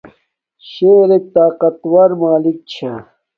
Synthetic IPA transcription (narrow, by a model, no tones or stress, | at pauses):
ɕeːɾet̪aːqɐt̪wɐɾmaːlik̚t͡ɕʰa